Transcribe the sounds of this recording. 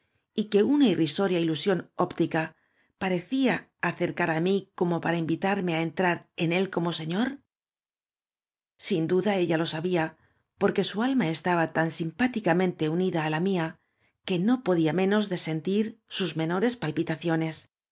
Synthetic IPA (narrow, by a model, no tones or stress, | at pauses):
ike̞unairiso̞ɾjailusjo̞no̞pt̪ika | paɾe̞θiaː | θe̞ɾkaɾamiko̞mo̞paɾaimbit̪aɾme̞aent̪ɾaɾe̞ne̞lko̞mo̞se̞ɲo̞ɾ | sind̪uðae̞ʎalo̞saβia | po̞ɾke̞sualmae̞st̪aβat̪ansimpat̪ikamẽ̞nt̪e̞uniðaːlamia | ke̞no̞po̞ðiamẽ̞no̞zðe̞se̞nt̪iɾsuzme̞no̞ɾe̞spalpit̪aθjo̞ne̞s